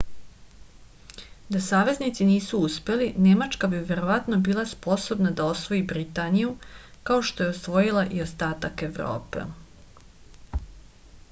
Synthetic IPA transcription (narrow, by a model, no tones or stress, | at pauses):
d̪asaːʋe̞znit̪siniːsuuspe̞line̞mat͡ʃkabiʋe̞ɾo̞ʋat̪nobiːlˠaspo̞so̞bnad̪ao̞sʋo̞jibɾit̪aːnijukao̞ʃt̪o̞jeo̞sʋo̞jilˠaʔio̞st̪aːt̪ake̞vɾo̰ːpḛ